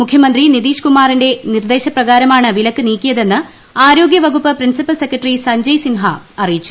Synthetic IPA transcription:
mukʰjɐmɐnd̪rinid̪iːʂkumaːrinde̞nird̪e̞ːɕɐprɐɣaːɾɐmaːɳɨʋilɐkːɨniːkʲːijɐðe̞nːɨ | aːɾo̞ːɡjɐʋɐɣupːɐprinsipːɐlse̞kːɐʈrisɐɲd͡ʑɐjsinɦɐɐrijit͡ɕːu̥

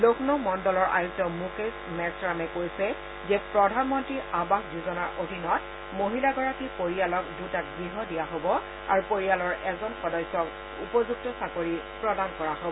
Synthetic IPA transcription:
lokʰnɔmɔndɔlɔɹʔa̰juzɔmukesmɛsɹamɛkojsɛ | zɛpɹɔdʱanmɔntɹiʔabaxduzɔnaɹʔodʱinɔt̚ | moɦilaɡɔɹakipoɹialɔk̚dutak̚ɡɹiɦɔdijaɦobɔ | a̰ɹupoɹijalɔɹʔɛzɔnxɔdɔjsɔk | ṵpɔzuk̚tɔsakoɹipɹɔdankɔɹaɦobɔɔ

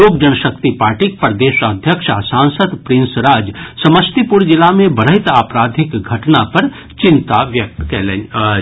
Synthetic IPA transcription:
oːkd͡ʒɐnəʃəkt̪ipaːɾʈik̚pəɾd̪eːʃəd̪ʱjəkʃasãːnsəd̪pɾɪ̃nsɾaːd͡ʒsɐməst̪ipuɾd͡ʒɪlamẽbəɾəɦɪt̪aːpɾaːd̪ʱɪkɡʱɐʈnapɐɾ | t͡ʃɪnt̪aʋjəkkɛle

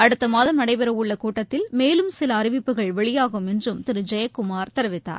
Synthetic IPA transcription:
ɐɽɯt̪ːɐmaːðɐmnɐɽɐɪpɛɾɐʋʊɭːɐkuːʈːɐt̪ːɪlmeːlɯmsɪlɐːɾɪʋɪpːɯɣɐɭʋɛɭɪjaːɣɯmɛndrɯmt̪ɪɾɯd͡ʒɐjɐkːʊmaːɾt̪ɐɾɯʋɪt̪ːa̰ːɾ

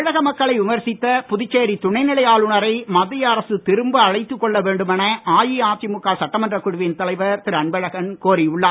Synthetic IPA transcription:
ɻɐɣɐmɐkːɐɭɐɪʋɪmɐɾsɪt̪ːɐpʊðɪt͡ʃːeːɾit̪ʊɳɐɪnɪɭɐjaːlʊɳɐɾɐɪmɐðɪjɐːɾɐsɯt̪ɪɾɯmbɯɐɻɐɪt̪ːɯkːɔɭːɐʋeːɳɖɯmɛnɐaːjiaːʈ̚t͡ʃimʊkːaːsɐʈːɐmɐndrɐkːʊɽʊʋint̪ɐlɐɪʋɐɾt̪ɪɾɐɳbɐɻɐɣɐnkoːɾiʊɭːaː

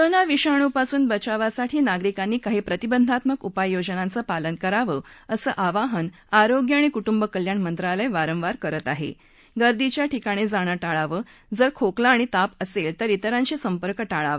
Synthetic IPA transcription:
ɾənaʋiɕaɽ̃upasuːnbət͡ɕaʋasaʈʰiːnaɡɾikanːiːkaɦiːpɾət̪ibənd̪ʱat̪məkupajːod͡ʑənãnt͡səpalənkəɾaʋəːəsə̰ːʔaʋaɦən | aɾoɡjəaɽ̃ikuʈumbəkəljaɳmənt̪ɾalajʋaɾəmʋaɾkəɾət̪aɦḛ | ɡəɾd̪it͡ɕjaʈʰikaɽ̃id͡zaɽ̃əʈaɭaʋəː | d͡zəɾkʰoklaːɽ̃it̪apəselt̪əɾit̪əɾãɲt͡ɕisəmpəɾkəʈaɭa̰ʋə

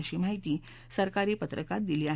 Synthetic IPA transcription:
ɕiːmaɦit̪iː | səɾkaɾiːpət̪ɾəkat̪̚d̪iliːa

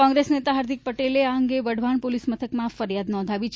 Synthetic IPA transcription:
ɔ̃ŋɡɾesnet̪aɦaɾd̪ʱik̚pəʈeleaəŋɡeʋəɽʱʋaɳpolismət̪ʰəkmãfəɾjad̪nɔ̃nd̪ʱaʋit͡ʃʰ

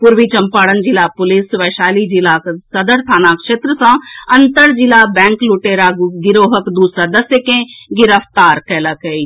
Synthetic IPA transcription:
pʊɾʋit͡ʃɐmpaːɽənd͡ʒɪlaːpʊlɪsʋɛːʃaːlid͡ʒɪlaːksɐd̪əɾt̪ʰaːnaːkʃeːt̪ɾəsãɐnt̪əɾd͡ʒɪlaːbɛ̃ːŋkluʈeːɾaɡɪɾoːɦəkd̪uːsɾaːd̪ɐsjəkẽɡɪɾəfʰt̪aːɾkɛːlakəi

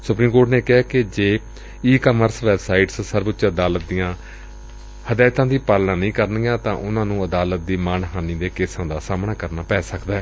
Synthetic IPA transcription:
sʊpɾiːmkoːɾʈneːkɪɦɛːked͡ʒeː | iːkaːməɾsʋɛːbsaːɪʈssəɾbət͡ʃəd̪aːlət̪̚d̪ijãː | həd̪aːt̪ãːd̪iːpaːlnãːnəĩːkəɾnijãːt̪ãːʔʊnãːnũːəd̪aːlət̪̚d̪iːmaːnɦaːniːd̪eːkɪsãːd̪aːsaːmnaːkəɾnaːpɛːsəkd̪aːɦɛː

